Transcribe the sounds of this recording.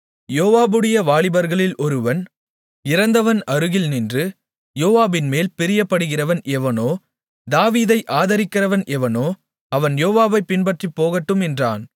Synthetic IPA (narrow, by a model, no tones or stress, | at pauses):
joːʋaːbɯɽɐjɐʋaːɭɪbɐɾɣɐɭɪlʔɔɾɯʋɐn | ɪɾɐnd̪ɐʋɐnɐɾɯɣɪlnɪndrɯ | joːʋaːbɪnmeːlpɪɾɪjɐpːɐɽɯɣɪrɐʋɐnʔɛʋɐnoː | d̪aːʋiːðɐɪʔaːðɐɾɪkːɪrɐʋɐnʔɛʋɐnoː | ɐʋɐnjoːʋaːbɐɪpɪnbɐʈripːoːɣɐʈːɯmɛndra̰ːn